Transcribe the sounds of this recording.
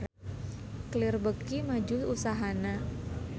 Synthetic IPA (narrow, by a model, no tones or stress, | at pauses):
klɪrbəkimad͡ʒʊusaɦana